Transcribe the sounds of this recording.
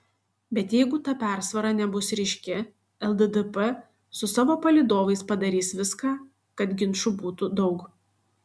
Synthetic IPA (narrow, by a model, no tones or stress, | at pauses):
bʲɛt̪jɛɪɡʊt̪ɑːpʲæˑɾsʋɐɾɑːnʲɛbʊsɾʲɪʃʲkʲɪ | ɛlˠd̪ɛd̪ɛpɛ | sʊsɑːʋoːpɐlʲid̪oːʋɐɪspɐd̪ɐɾʲiːsʋʲɪskɑː | kɐt̪ɡʲɪnʃʊbuːt̪ʊd̪ɒʊk